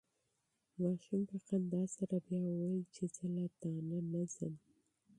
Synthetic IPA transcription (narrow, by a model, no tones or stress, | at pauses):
mɑʃumpəqand̪ɑsaɾabjɑwɑjit͡ʃezəlad̪̥ɑnanazəm